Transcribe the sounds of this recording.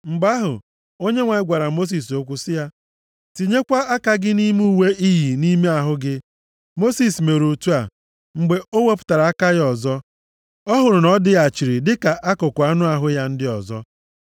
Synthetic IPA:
ŋ͡m̩˨ɡ͡ba˦ɦʊ̰˨ | o˦ɲe˦ŋʷa˨ɪ˦ɡʷa˨ɾa˨mo˦s̬i˨s̬o˦kʷu˦sɪ˦ja˦ | ti˨ɲe˦kʷa˦a˦ka˦ɡɪ˦ni˦mu˦˨we˦ʔi˦ɦi˨ni˦me˦a˨ɦʊ˦ɡɪ˦ | mo˦si˦sme˨ɾu˨tu˦a˨ | ŋ͡m̩˨ɡ͡be˨o˦we˦p̬ʊ̥˦ta˨ɾa˨a˦ka˦ɣɔ˨zɔ˦ | ɔ˦ɦʊ˨ɾʊ˨nɔ˦dɪ˦a˨t͡ʃi˨ɾi˨dɪ˦ka˨ʔa˦kʊ˨kʊ˨a˦nʊ˦a˨ɦʊ˦ja˦n̩˦dɪ˦ɔ˨zɔ̰˦

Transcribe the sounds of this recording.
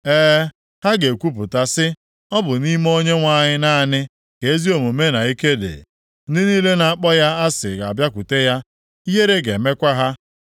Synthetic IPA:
ɛː˦ | ha˦ɡe˨kʷu˦pʊ˨ta˦sɪ˦ | ɔ˦bʊ˨ni˦m˦o˦ɲe˦ŋʷa˦˨ɲɪ˦na˦˨nɪ˦ | ke˨e˦zi˦o˨mu˨me˦na˨i˦ke˦dḛ˨ | n̩˦dɪ˦ni˦le˦na˨a˨k͡pɔ˦ja˦a˦sɪ̰˨ɡa˨bja˦kʷu˨te˦ja˦ | i˦ɦe˦ɾe˦ɡe˨me˦kʷa˦ɦa˦

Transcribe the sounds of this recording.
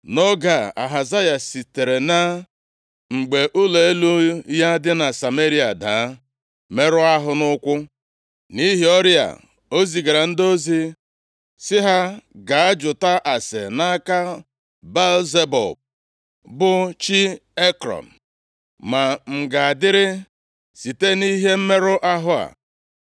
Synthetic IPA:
no˦ɡa˨a̰˨ɦa˨za˦ja˨si˨te˨ɾe˨na˦ | ŋ͡m̩˨ɡ͡be˨ʔʊ˦le˨e˦lu˦ja˦dɪ˦na˨sa˨me˦ɾi˦a˨da˨˦ | me˦ɾʊ˦a˦ɦʊ˦nʊ˦kʷʊ˦ | ni˦ɦi˦ɔ˦ɾja̰˨ | o˦zi˨ɡa˨ɾa˨n̩˦do˦zi˦ | sɪ˦ɦa˦ɡa˨a˦d͡ʒʊ˨ta˦ʔa˨sḛ˨na˦ka˦ | ba˦lze˦bɔ̰˨b̚ | bʊ˦t͡ʃi˦e˦kɾɔ̰˨m̩˨ | ma˨ŋ͡m̩˨ɡa˨a˨dɪ˦ɾɪ˦ | si˨te˦ni˦ɦe˦m̩˦me˦ɾʊ˦ʔa˦ɦʊ˦a̰˨

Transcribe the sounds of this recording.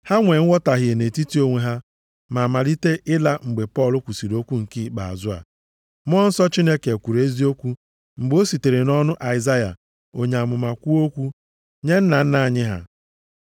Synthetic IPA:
ha˦ŋʷe˨ŋ̩˦wɔ˦ta˨ɦɪ˨e˨ne˨ti˦ti˦o˦ŋʷe˦ɦa˦ | ma˨ma˨li˦te˦ʔɪ˦la˦ŋ͡m̩˨ɡ͡be˨pɔ˦˨lʊ˦kʷu˨si˨ɾo˦kʷu˦ŋ̩˨ki˦k͡pa˨a̰˨zʊ˦a̰˨ | m˦ɔ˦n̩˦sɔ˦t͡ʃi˦ne˦ke˨kʷu˨ɾe˦zi˦o˦kʷu˦ | ŋ͡m̩˨ɡ͡bo˦si˨te˨ɾe˨nɔ˦nʊ˦ʔa˨ɪ˨za˦ja˨ | o˦ɲe˨a˨mʊ˨ma˨kʷu˦o˦kʷu˦ | ɲe˦n̩˦na˨n̩˦na˨a˨ɲɪ˦ɦa̰˦

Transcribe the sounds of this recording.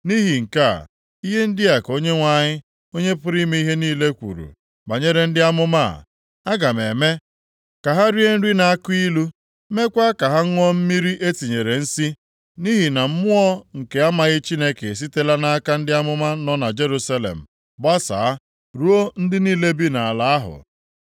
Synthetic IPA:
ni˦ɦi˨ŋ̩˨ka̰˦˨ | i˦ɦe˦n̩˦dɪ˦a˨ko˦ɲe˦ŋʷa˦ɲɪ˦ | o˦ɲe˦pʊ˦ɾi˦me˦i˦ɦe˦niː˦le˦kʷṵ˨ɾṵ˨ | ba˨ɲe˦ɾe˨n̩˦dɪ˦a˦mʊ˦ma˦a̰˨ | a˦ɡa˨me˨me˦ | ka˨ɦa˦ɾi˦e˦n̩˦ɾi˦na˨a˦ki˦lu˦ | me˦kʷa˦ka˨ɦa˦ŋ̩˦ŋʷ˦ɔ˦m̩˦mi˦ɾi˦ʔe˦ti˨ɲe˨ɾe˨n̩˦si˦ | ni˦ɦi˨na˨m̩˦mʊ˦ɔ˦ŋ̩˨ke˨a˦ma˨ɣɪ˦t͡ʃi˦ne˦ke˨s̬i˦te˦la˦na˦a˦ka˦n̩˦dɪ˦a˦mʊ˦ma˦nɔ˦na˨d͡ʒe˦ɾu˦sa˦lḛ˨m̩˨ | ba˦sa̰˨a˦ | ɾu˦o˦n̩˦dɪ˦niː˦le˦bi˦na˨a˨la˨a˦ɦʊ̰˨

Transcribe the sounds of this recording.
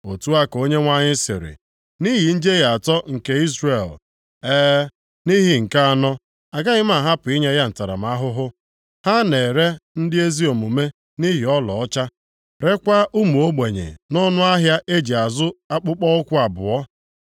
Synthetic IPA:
o˨tu˦a˦ko˦ɲe˦ŋʷa˦ɲɪ˦sɪ̰˨ɾɪ̰˨ | ni˦ɦi˨n̩˦d͡ʒe˦ɣa˨tɔ˦ŋ̩˨ke˦i˦zre˨l | eː˦ | ni˦ɦi˨ŋ̩˨ka˦a˨nɔ˦ | a˨ɡa˦ɲɪ˦m˦a˨ɦa˦pʊ˨i˦ɲa˦ja˦n̩˨ta˨ɾa̰˨m˨a˦ɦʊ˦ɦʊ˦ | ha˦ne˨ɾe˦n̩˦dɪ˦e˦zi˦o˨mu˨me˦ | ni˦ɦi˨ɔ˦lɔ˨ɔ˦t͡ʃa˦ | ɾe˦kʷa˦ʔu˦mu˨o˦ɡ͡be˨ɲḛ˨nɔ˦nʊ˦a˦ɦja˦ʔe˦d͡ʒi˨a˨zʊ˦a˦k͡pʊ˦k͡pɔ˦ʊ˦kʷʊ˦a˨bʊ̰˨ɔ˦

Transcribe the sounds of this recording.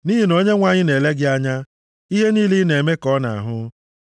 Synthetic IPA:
ni˦ɦi˨no˦ɲe˦ŋʷa˨ɲɪ˦ne˨le˦ɡɪ˦a˦ɲa˦ | i˦ɦe˦niː˦li˦ne˨me˦kɔ˦na̰˨a̰˨ɦʊ˦

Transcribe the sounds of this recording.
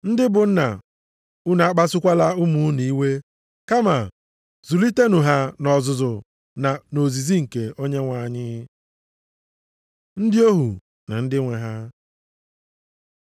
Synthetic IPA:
n̩˦dɪ˦bʊ˨n̩˦na̰˨ | u˦na˨a˦k͡pa˦sʊ˦kʷa˦la˦ʊ˦mu˨˦ni˨˦we˦ | ka˦ma˨ | zu˨li˦te˦nu˨ɦa˦nɔ˨zʊ˨zʊ˨ | na˨no˨zi˨zi˦ŋ̩˨ke˨o˦ɲe˦ŋʷa˨ɲɪ˦ | n̩˦dɪ˦o˦ɦu˨ | na̰˨n̩˦dɪ˦ŋʷe˨ɦa˦

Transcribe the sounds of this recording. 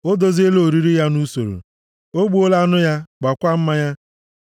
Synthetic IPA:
o˦do˨zi˦e˦lo˨ɾi˦ɾi˦ja˦nu˦so̰˨ɾo̰˨ | o˦ɡ͡bu˦o˦la˦nʊ˦ja˦ɡ͡ba˨kʷa˦m̩˦ma˦ja˦

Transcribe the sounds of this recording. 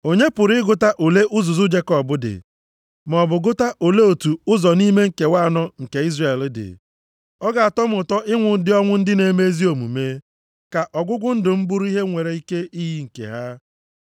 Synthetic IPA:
o˨ɲe˦pʊ˨ɾɪ˦ɪ˦ɡʊ˦ta˦ʔo˨le˦ʔʊ˦zʊ˨zʊ˦d͡ʒe˦kɔ˨bʊ˦dɪ̰˨ | mɔ˨bʊ˨ɡʊ˦ta˦ʔo˨le˦o˨tu˨ʊ˦zɔ˨ni˦me˦ŋ̩˨ke˨wa˦˨nɔ˦ŋ̩˨ke˨i˦zre˨ldɪ̰˨ | ɔ˦ɡa˨a˨tɔ˦m˦ʊ˨tɔ˦ʔɪ˦ŋʷʊ˨˦dɪ˦ɔ˦ŋʷʊ˦n̩˦dɪ˦ne˨me˦zi˦o˨mṵ˨me˦ | ka˨ʔɔ˨ɡʷʊ˦ɡʷʊ˦n̩˦dʊ˨m̩˦bʊ˦ɾʊ˦i˦ɦe˦ŋʷe˨ɾe˨i˦ke˦ʔi˦ɦi˦ŋ̩˨kḛ˨ɦa˦

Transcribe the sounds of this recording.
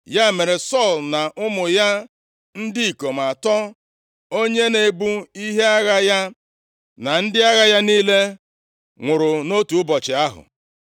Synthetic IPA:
ja˦˨me˨ɾe˨sɔ˦˨lna˨ʔʊ˦mʊ˨ja˦ | n̩˦dɪ˦i˨ko˨m̩˨a˨tɔ˦ | o˦ɲe˦ne˨bu˦i˦ɦe˦a˦ɣa˦ja˦ | na˨n̩˦dɪ˦a˦ɣa˦ja˦niː˦le˦ | ŋʷʊ˨ɾʊ˨no˦tu˨ʊ˦bɔ˨t͡ʃɪ˨a˦ɦʊ̰˨

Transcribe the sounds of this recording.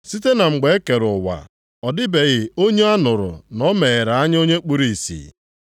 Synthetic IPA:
si˦te˦na˨ŋ͡m̩˨ɡ͡be˨e˦ke˨ɾʊ˨wa̰˨ | ɔ˨dɪ˦be˨ɣɪ˨o˦ɲe˦a˦nʊ˨ɾʊ̰˨nɔ˦me˨ɾa˨a˦ɲ˦o˦ɲe˦k͡pu˦ɾi˨sḭ˨

